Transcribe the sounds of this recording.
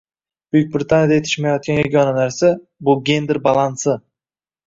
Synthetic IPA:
b̥ʊjyk̚ʲbɾɪt̪ʰanjad̪aet̪ʰɪ̥ʃmajɒt̪̚kʲanjaɡʲɒnanaɾsa | bʊɡʲe̞nd̪eɾbalˠansɪ

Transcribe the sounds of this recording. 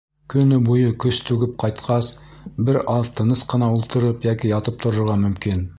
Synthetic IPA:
kɵ̆nɵbujɤkɵst̪ʉɡɘp̚qɑjt̪qʰɑs | bɘɾɑðt̪ʰɤ̆nɤsqɤ̆nɑulˠt̪ɤ̆ɾɤpjækijɑt̪ɤp̚t̪ŏɾŏɾʁɑmɵ̆mkin

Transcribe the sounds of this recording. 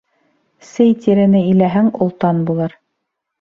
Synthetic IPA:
sɘjt̪ʲiɾɘ̆nɘilæɦæŋŏlˠt̪ɑnbulˠɤɾ

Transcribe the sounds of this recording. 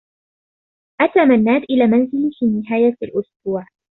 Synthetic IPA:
ʔat̪aːmanːaːt̪ʔɪlaːmanzɪlfiːnɪɦaːjalʔʊsbuːʕ

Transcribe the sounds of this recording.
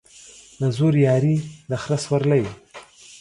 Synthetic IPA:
nazuɾjɑɾinaxɾaswaɾlaj

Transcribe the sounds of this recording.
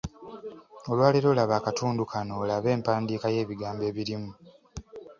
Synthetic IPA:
o̞lwaːliɾo̞ːlaβaːkatuːndukʰano̞ːlaβe̞ːmpaːndiːkaje̞ːβiɡaːmbe̞ːβiɾimu

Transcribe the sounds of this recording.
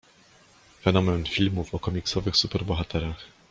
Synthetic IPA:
fɛnɔmɛnfʲilmufɔkɔmʲiksɔvɘxsupɛɾbɔxat̪ʰɛɾax

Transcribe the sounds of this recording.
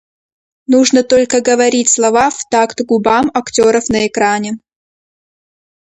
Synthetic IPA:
nuʐnət̪olʲkəɡəvɐɾʲitʲslˠɐvaft̪akt̪ɡʊbamɐktʲoɾəfnəɛkɾanʲɪ

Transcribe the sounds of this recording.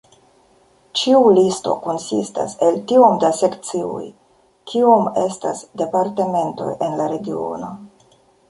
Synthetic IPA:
t͡ʃiulisto̞̰ko̞nsḭsta̰se̞ltio̞mdase̞kt͡siṵj | kʰio̞me̞stasde̞paɾteme̞nto̞̰jʔe̞nlaɾe̞ɡio̞̰no̞̰

